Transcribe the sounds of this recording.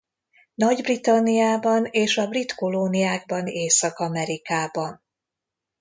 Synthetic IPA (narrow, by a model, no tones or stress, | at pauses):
nɒɟbrit̪ɒnːijaːbɒneːʃɒbrit̪koloːnijaːɡ̚bɒneːsɒkɒmɛɾikaːbɒn